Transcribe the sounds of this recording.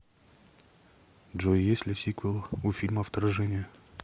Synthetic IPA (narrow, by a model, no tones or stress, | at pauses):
dʐojesʲlʲɪsʲikvəlˠufʲilʲməɐft̪ɐɾɐʐɛnʲɪjə